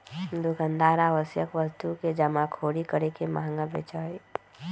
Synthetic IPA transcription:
d̪ʊkə̃nd̪aːɾaːʋəsjəkʋəst̪uked͡ʒəmakʰoːɽikəɾekema̰ɦŋɡabḛːt͡ʃaːi

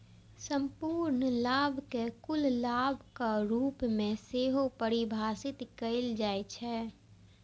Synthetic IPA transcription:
sə̃mpuːɾnlaːbʱkekʊllaːbʱkaɾuːpmẽseːɦopəɾibʱaːsɪt̪kəɪld͡ʒaːet͡ʃʰɛ

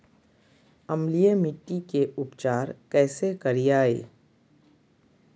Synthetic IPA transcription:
ɐmlijemɪʈːikeʊpt͡ʃaːɾkɛːsekɐɾijaːḛː

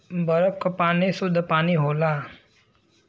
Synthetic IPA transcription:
bəɾəkʰːpaːnisʊd̪ʱpaːniɦoːlaː

